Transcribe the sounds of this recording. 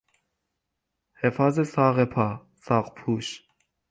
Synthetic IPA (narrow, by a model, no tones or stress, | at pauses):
hɛfazɛsɑʁɛpʰɑ | sɑʁpʰuʃ